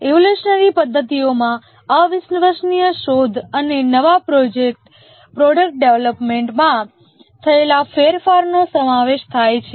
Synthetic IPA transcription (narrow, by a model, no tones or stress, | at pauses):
eʋoluʃənəɾipəd̪ʱːət̪iomã | aʋɪsnəʋəɾʃnijəʃod̪ʱənenəʋapɾod͡ʒek̚ʈ | pɾoɖək̚ʈ̚ɖeʋləpmeɳʈmã | t̪ʰəelafeɾfaɾnosəmaʋeʃt̪ʰajt͡ʃʰe